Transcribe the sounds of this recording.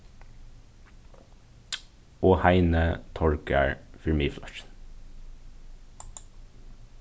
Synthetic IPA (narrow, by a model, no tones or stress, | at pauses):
oːhæɪnət̪ʰɔɽkə̰ɹfɪɹmiːflɑ̰ʃn